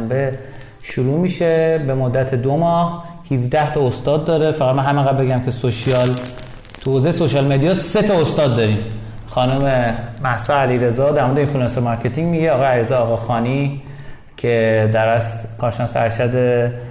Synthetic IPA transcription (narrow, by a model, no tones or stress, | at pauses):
mbe | ʃuɾuːmiːʃebe̞mod̪ːæt̪ʰed̪omɒːh | hifd̪æht̪ʰɒost̪ɒːd̪ːɒːɾe̞fæɣæd̪mænɦæmeɣæd̪̚be̞ɡɟæmkʰesoʃiɒl | t̪ʰuoːzejesoʃɒlme̞d̪ijɒse̞t̪ʰɒost̪ɒːd̪ːɒɾim | xɒːnumemæhsɔæliɾezɒd̪æɾmod̪einfilɑnsemɒɾkʰe̞t̪ʰiŋɡmiɟeɒːɣɒːjeæliɾezɒːɣɒxɒːni | cʰed̪æɾæskʰɒːɾʃenɒːseæɾʃæd̪e